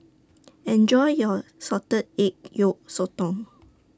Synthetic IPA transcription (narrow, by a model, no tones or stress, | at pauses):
ɛ̃nd͡ʒɔjjɔsɔtəd̚ek̚joʔ̚sotɔ̃ŋ